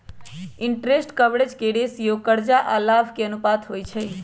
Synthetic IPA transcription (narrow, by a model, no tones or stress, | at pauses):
iɳʈɾesʈkəbɽed͡ʒkeɽesjokəɾd͡ʒaʔalabʱkeənupat̪ɦojt͡ʃʰəj